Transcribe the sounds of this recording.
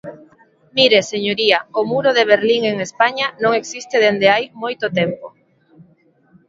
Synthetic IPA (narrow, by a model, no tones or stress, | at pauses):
miɾeseɲoɾiɐomuɾoðeβ̞eɾliŋeŋespaɲanõŋeksist̪eðend̪eajmojt̪ot̪empo